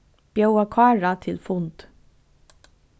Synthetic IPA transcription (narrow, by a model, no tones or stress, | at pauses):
b̥jœwakʰɑːɹat̪ʰɪlfʊnt̪